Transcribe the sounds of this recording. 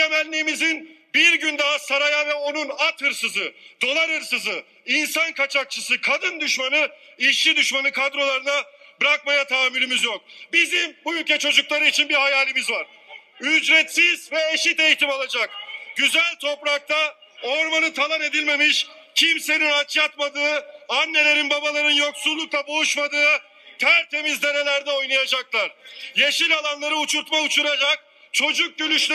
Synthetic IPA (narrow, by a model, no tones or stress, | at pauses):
emɛlʲːiːmizinbiɾɟynd̪aɦasaɾajavɛo̞nunat̪hɯɾsɯzɯd̪̥o̞lˠaɾhɯɾsɯzɯ | insankʰat͡ʃʰak̚t͡ʃʰɯsɯkʰad̪ɯnd̪yʃmanɯiʃid̪yʃmanɯkʰad̪ɾo̞lˠaɾɯnabɾakmajat̪ʰaːmyɾimizjok̚bizimbujylʲcɛt͡ʃʰo̞d͡ʒuklˠaɾɯit͡ʃʰinbiɾhajaːlʲimizvaɾ̥ | yd͡ʒɾɛt̪siz̥vɛeʃit̪ejit̪imalˠad͡ʒak̚ɟ̥yzælʲt̪ʰo̞pɾak̚t̪ʰa | oɾmanɯt̪ʰalˠane̞d̪ilʲme̞miʃcʰimse̞ninat͡ʃjat̪mad̪ɯːanːe̞lʲe̞ɾinbabalˠaɾɯnjoksulˠːuk̚lˠabouʃmad̪ɯː | t̪ʰæɾt̪ʰe̞mizd̪e̞ɾe̞lʲæɾd̪ɛo̞jlˠajad͡ʒaklˠaɾ̥jeʃilʲalˠanlˠaɾɯut͡ʃʰuɾt̪maut͡ʃʰuɾad͡ʒak̚ | t͡ʃʰo̞d͡ʒuk̚ɟølyʃl